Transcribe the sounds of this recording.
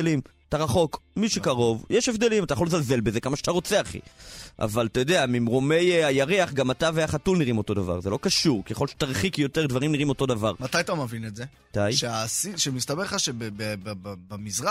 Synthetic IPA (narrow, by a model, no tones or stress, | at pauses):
lim | t̪aʁaχo̞kmiʃekaʁo̞vjeʃevd̪e̞limatajaχxolezalze̞lbeze̞kamaʃeat̪aʁo̞t͡seaχḭʔa̰valt̪ajod̪e̞amimʁo̞me̞jajaʁeaχɡamataveaχatulniʁimo̞to̞d̪ava̰ʁzelo̞kaʃuʁkeχolʃe̥t̪aʁχikjo̞te̞ʁd̪vaʁimniʁimoto̞d̪avaʁmat̪ajt̪amevinetze | t̪ajʃeasiʃemist̪abeʁχaʃebebebbamizʁa